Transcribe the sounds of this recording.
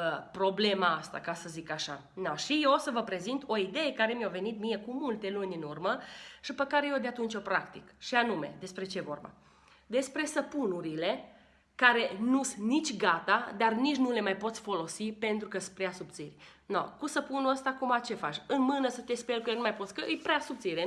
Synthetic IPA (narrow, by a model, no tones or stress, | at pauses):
əpɾo̞ble̞maast̪a̰kasəzikaʃa | noʃijeosəvəpɾe̞zint̪o̞id̪e̞jekaɾe̞mjawve̞nit̪mije̞kumult̪e̞lunʲɨnurməʃipəkaɾe̞jod̪eat̪unt͡ʃo̞pɾakt̪ikʃianume̞̰d̪e̞spɾe̞t͡ʃeevo̞̰rba̰ | d̪e̞spɾe̞səpunuɾile̞ | kaɾe̞nusɨnit͡ʃʲɡat̪ad̪arnit͡ʃnule̞majpo̞t̪sʲfo̞lo̞sipe̞nt̪ɾukəspɾeasup̚t̪sirʲ | no̰kusəpunuəst̪aːkumat͡ʃe̞fat͡ʃʲɨnmɨnəsət̪espeelkjelnumajpo̞t̪sʲkəʔɨjpɾeasup̚t̪siɾe